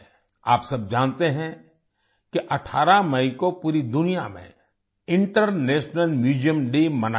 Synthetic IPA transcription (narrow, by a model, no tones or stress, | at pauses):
aːpsɐb̚d͡ʒãːnt̪eɦɛ̃ | kiʔɐʈʰaːɾamɐĩkopuːɾid̪ʊnijamḛ̃ | ɪ̃ɳʈəɾneːʃnəlmjuːd͡ʒijəmɖemɐna